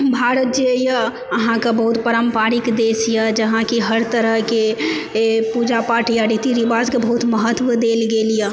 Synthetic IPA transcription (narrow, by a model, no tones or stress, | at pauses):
bʱaːɾət̪̚d͡ʒeja | əɦãkabəɦut̪pəɾəmpaːɾikd̪eːsijad͡ʒɐɦãkiɦəɾt̪əɾəɦke | pud͡ʒapaːʈijaɾit̪iɾibaːzkebəɦut̪məɦət̪ːʋəd̪eːlɡeːlija